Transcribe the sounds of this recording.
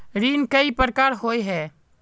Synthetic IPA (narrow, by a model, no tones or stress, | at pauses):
ɾiːnkəipəɾkaːɾɦoːeɦɛː